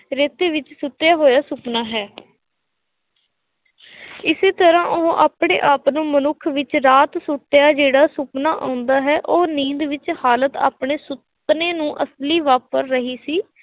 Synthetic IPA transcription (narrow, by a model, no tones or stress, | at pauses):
ɾeːt̪eːʋɪt͡ʃsʊt̪ːjaːɦoːjaːsʊpnaːɦɛː | ɪseːt̪əɾãːʔoɦõːʔaːpɳḛːʔaːpnũːmənʊkʰʋɪt͡ʃɾaːt̪sʊʈːjaːd͡ʒeːɽaːsʊpnaːʔãːʊnd̪aːɦɛːʔoːnĩːd̪ʋɪt͡ʃhaːlət̪a̰ːpɳeːsʊ | pneːnũːʔəsliːʋaːpəɾːəɦiːsiː